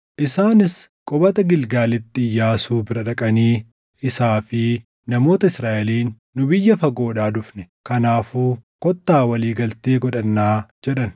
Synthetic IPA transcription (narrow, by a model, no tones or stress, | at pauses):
ʔɪsaːnɪskʼɔbɐt̪ɐɡɪlɡaːlɪt̪ːɪjːaːsuːbɪɾɐᶑɐkʼɐniː | ɪsaːfɪ | nɐmo̞ːt̪ɐɪsɾaːʔɛliːnːʊbɪjːɐfɐɡo̞ːᶑaːd̪ʊfnɛ | kɐnaːfuːkɔt̪ːaːwɐliːɡɐlt̪eːɡɔᶑɐnːaːd͡ʒɛᶑɐn